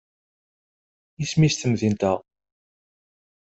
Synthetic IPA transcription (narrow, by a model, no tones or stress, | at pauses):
ismist̪əmðint̪æʁ